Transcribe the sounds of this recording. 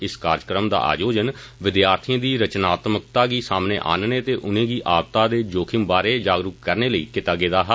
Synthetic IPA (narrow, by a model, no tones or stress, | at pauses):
ɪskaːɾkɾəmd̪a̰ːʔa̰ːd͡ʒoːd͡ʒənʋɪd̪jaːɾt̪ʰijə̃ːd̪iːɾət͡ʃnaːt̪mək̚t̪aːɡiːsaːmneːʔa̰ːnnẽːt̪eːʔʊnẽːɡiːʔaːb̚t̪aːd̪eːd͡ʒoːkʰɪmbaːɾeːd͡ʒaːɡɾʊkːəɾneːləḭːkɪt̪aːɡeːd̪aːɦa